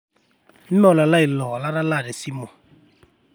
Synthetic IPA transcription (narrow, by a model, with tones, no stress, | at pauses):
m̩˦mɔ˦˨la˨la˦i˨lɔ˨la˦ɾa˦la˦˨dɛ˨si˦mɔ˨